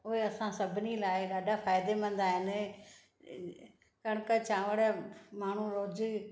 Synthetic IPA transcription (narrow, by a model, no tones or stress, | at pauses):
ʊɦeəsãsəbʱɪnilaːɪɗaːɖaːfʰaːjɪd̪emə̃nd̪aːɦɪn | kəɽ̃kət͡ʃãːʋəɽemaːɳ̤ũɾoːd͡ʒ